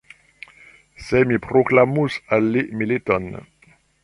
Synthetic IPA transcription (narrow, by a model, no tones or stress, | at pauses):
sɛmipχoklamusalemelet̪ɔn